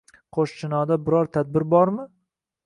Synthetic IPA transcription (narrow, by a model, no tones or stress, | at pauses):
qʰoʃt͡ʃʰɪnɒd̪abɪɾɒɾt̪ʰad̪̚bɪɾbɒɾmɪ